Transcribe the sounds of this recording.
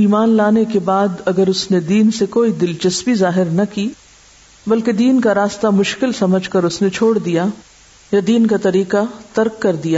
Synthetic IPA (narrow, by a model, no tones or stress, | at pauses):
iːmaːnlaːnekebaːd̪ɐɡəɾʊsned̪iːnsekoːid̪ɪlt͡ʃɐsbizaːɦɪɾnɐkiː | bɐlked̪iːnkaɾaːst̪amʊʃkɪlsɐməd͡ʒʱkɐɾʊsnet͡ʃʰoːɽd̪ija | jad̪iːnkat̪ɐɾiːkat̪ɐɾkːɐɾd̪ijaː